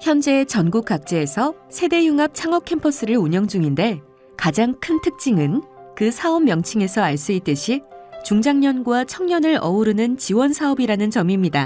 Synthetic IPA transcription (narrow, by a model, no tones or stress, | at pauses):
çjʌnd͡ʑe̞ːt͡ɕʌnɡuk̚k͈ak̚t͡ɕ͈e̞ːsʰʌsʰe̞de̞juŋap̚t͡ɕʰaŋʌkʰe̞mpʰʌs͈ʰɯɾɯɭuɲʌŋd͡ʑuŋinde̞ | kad͡ʑaŋkʰɯntʰɯk̚t͡ɕ͈iŋɯnkɯsʰaomːjʌŋt͡ɕʰiŋe̞sʰʌaɭs͈uit̚t͈ɯɕʰit͡ɕuŋd͡ʑaŋɲʌnɡwat͡ɕʰʌŋɲʌnɯɾʔʌuɾɯnɯnt͡ɕiwʌnsʰaʌbiɾanɯnt͡ɕʌmimɲida